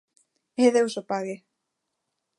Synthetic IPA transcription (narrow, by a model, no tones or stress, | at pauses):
hɛðɛusɔpaːɣɪ